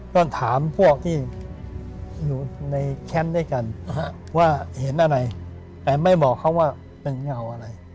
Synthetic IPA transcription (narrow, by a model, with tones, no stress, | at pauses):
t̪ɔ˥˩nt̪ʰaː˩˦mpʰu˥˩ək̚t̪ʰiː˥˩ | juː˨˩na˧jkʰɛ˦˥ndaː˥˩˨jka˧n | waː˥˩he˩˦nʔa˧ɾa˧j | t̪ɛː˧ma˥˩jbɔː˨˩kʰːa˦˥˩waː˥˩ | pe˧nŋa˧wʔa˧ɾa˧j